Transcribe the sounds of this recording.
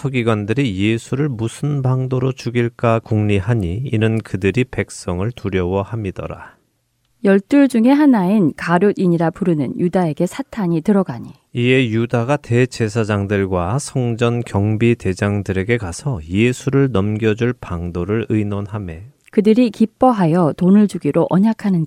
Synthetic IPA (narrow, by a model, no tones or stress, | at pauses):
sʰʌɡiɡwandɯɾije̞sʰuɾɯɭmusʰɯnbaŋdoɾot͡ɕuɡiɭk͈akuŋɲiɦaɲiːnɯnkɯdɯɾipe̞k̚s͈ʌŋɯɭtuɾjʌwʌhamidʌ̰ɾa̰ | jʌɭt͈uɭd͡ʑuŋe̞ɦanainkaɾjodiɲiɾapuɾɯnɯ̰njudae̞ɡe̞sʰatʰaɲitɯɾʌɡaɲi | ie̞judaɡate̞t͡ɕe̞sʰad͡ʑaŋdɯɭɡwasʰʌŋd͡ʑʌnkjʌŋbite̞d͡ʑaŋdɯɾe̞ɡe̞kasʰʌje̞sʰuɾɯɭnʌmɡjʌd͡ʑuɭpaŋdoɾɯɭɯjnonɦame̞ | kɯdɯɾikip͈ʌɦajʌtonɯɭd͡ʑuɡiɾoʔʌɲakʰanɯnd